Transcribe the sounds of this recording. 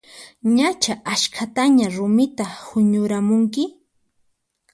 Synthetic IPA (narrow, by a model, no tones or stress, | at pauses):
ɲat͡ʃaʔaʃkʰat̪aɲaɾʊmɪt̪ahʊɲʊɾamʊŋkɪ